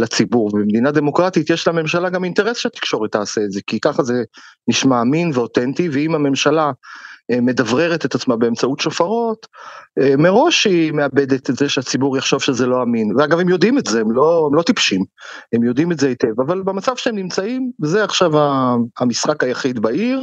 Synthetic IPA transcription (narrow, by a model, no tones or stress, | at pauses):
lat͡sibuʁbemd̪inad̪e̞mo̞kʁat̪itjeʃlame̞mʃalaɡamint̪eʁesʃet̪i̥kʃo̞ʁetaːseːtze̞kikaχazeniʃmaːminveo̞tent̪iveimame̞mʃala | me̞d̪avʁe̞ʁet̪et̪at͡smabeemt͡sautʃofaʁo̞t̪ | me̞ʁo̞ʃimeabed̪et̪zeʃeat͡sibuʁjaχʃo̞vʃezelo̞aminveaɡavemjo̞d̪imetzeemloemlo̞t̪ipʃim | emjo̞d̪imetzeit̪evavalbemat͡sav̥ʃeemnimt͡saimzeaχʃavaamisχakajaχid̪baiʁ